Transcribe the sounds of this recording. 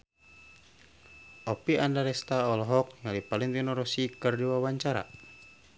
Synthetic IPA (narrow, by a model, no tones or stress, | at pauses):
ʔɔpiandaɾɛst̪aɔlɔɦɔk̚jalipaliŋt̪inɔɾɔsikɨrdiwawaɲt͡ʃaɾa̰